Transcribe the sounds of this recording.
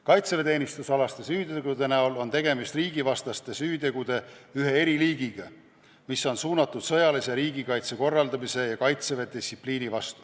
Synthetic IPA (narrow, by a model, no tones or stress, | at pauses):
kɑjt̪sevet̪e̞ːnʲist̪usɑlɑst̪e̞syːt̪eɡud̪e̞næolo̞nt̪e̞ɡe̞mist̪riːɡ̥ivɑst̪ɑst̪e̞syːt̪e̞ɡ̥ud̪̥e̞yɦe̞e̞ɾiliːɡ̥iɡ̥ɑ | misːo̞nsuːnɑt̪ːˑud̪̥sɤjɑliseɾiːɡikɑjt̪seko̞rːɑld̪ɑmise̞jɑkɑjt̪seve̞d̪isːipliːnivɑst̪u̥